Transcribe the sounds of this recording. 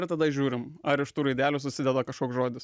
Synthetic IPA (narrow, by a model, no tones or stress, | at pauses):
ɾt̪ɐd̪ɐɪʒʲuːɾʲɪmɐɾɪʃt̪uːɾɐɪd̪ʲæːlʲus̬ʊsʲɪd̪ʲɛd̪ɐkɐʃkoːksʒoːd̪ʲɪs